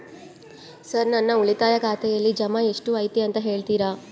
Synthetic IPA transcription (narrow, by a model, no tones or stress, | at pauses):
sɐɾnɐnːɐuɭit̪aːjɐkʰaːt̪ɛjɐlːid͡ʒɐmae̞ʂʈuɐjt̪iɐnt̪ɐɦe̞ːɭt̪iːɾa